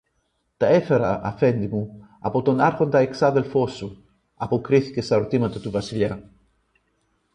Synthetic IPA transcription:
t̪aefeɾa̰ʔa̰fend̪imu | a̰pot̪onaɾɣond̪aeksaðelfosu | apokɾiθikesauɾt̪imat̪ot̪uβasilja

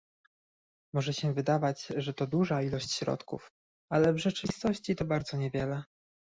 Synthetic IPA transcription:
mɔʐɛɕɛvɘd̪avad͡ʑʐɛt̪ɔd̪uʐailɔɕt͡ɕɕɾɔ̰t̪kṵf | alɛvʐɛt͡ʂɨvʲist̪ɔɕt͡ɕit̪ɔbaɾd̪zɔɲɛvʲjɛlɛ

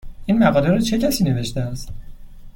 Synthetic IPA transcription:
ʔinmæɣɒːleɾuːt͡ʃʰe̞cʰæsiːne̞ve̞ʃt̪eæst̪

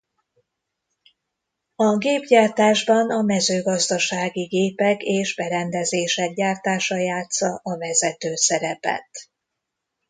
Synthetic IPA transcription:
ɒɡeːbɟaːrt̪aːʒbɒnɒmɛzøːɡɒzd̪ɒʃaːɡiɡeːpɛkeːʒbɛɾɛnd̪ɛzeːʃɛk̚ɟaːrt̪aːʃɒjaːt̪sɒʔɒvɛzɛt̪øːsɛɾɛpɛ̰t̪

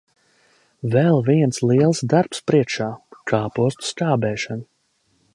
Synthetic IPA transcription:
vɛlˠviɛnslˠiɛlˠsd̪aɾpspɾiɛkʃaːkʰaːpuɔst̪u̥skaːbɛːʃan

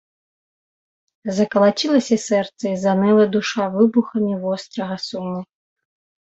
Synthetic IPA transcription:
zɐkɐlˠat͡ɕʲilˠɐsʲɐsɛrt̪sɐizanɛlˠɐd̪uʂavɨbuxɐmʲivɔst̪ɾɐɣɐsunʲːi

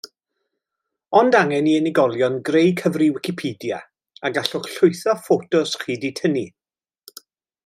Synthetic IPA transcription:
ɔndaŋɛniɛnɪɡɔlˠjɔnɡrejkʰəvriwɪkɪpʰiːdja̰ | aɡaɬʊχɬʊɨθɔfotʊsχiːditʰəni

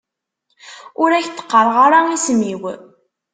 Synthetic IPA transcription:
ʊɾæçt̪ːə̥qːəɾˤʁaɾaismiw

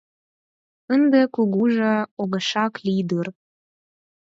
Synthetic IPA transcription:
ənd̪ekuɣuʒɤoɣə̆ʃɑklid̪ur

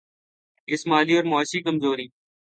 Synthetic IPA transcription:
ɪsmaːliːoːɾmaːʃiːkəmzoːɾiː

